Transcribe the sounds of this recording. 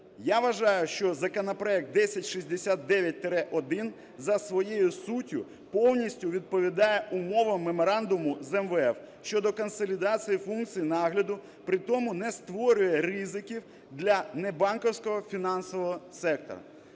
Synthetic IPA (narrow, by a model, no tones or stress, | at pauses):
jaʋɐʒɑjʊʃt͡ʃɔzɐkɔnɐpɾɔɛk̚t̪̚d̪ɛsʲɐtʲʃizʲd̪esʲat̪̚d̪ɛʋʲjɐt̚ʲt̪eɾɛʔɔd̪ɪn | zɐsʋɔjejʊsutʲʊ | pɔwnʲisʲtʲʊʋʲid̪̚pɔʋʲid̪ɑjɛʔʊmɔʋɐmːemɔɾɑnd̪ʊmʊzɛmʋɛɛw | ʃt͡ʃɔd̪ɔkɔnsɔlʲid̪ɑt͡sʲijifunk̚t͡sʲijinɑɦlʲɐd̪ʊ | pɾɪt̪ɔmʊnɛst̪ʋɔɾʲʊjɛrizɪkʲiw | d̪lʲɐnɛbɑnkɔwsʲkɔɦɔfʲinɑnsɔʋɔɦɔsɛk̚t̪ɔ̰ɾɐ̰